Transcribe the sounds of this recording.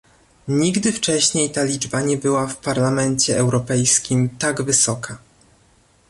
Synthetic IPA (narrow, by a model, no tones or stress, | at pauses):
ɲiɡd̪ɘft͡ʂɛɕɲejt̪alʲid͡ʐbaɲɛbɘwafpaɾlamɛnt͡ɕɛɛwɾɔpɛjskʲimt̪aɡvɘsɔkʰa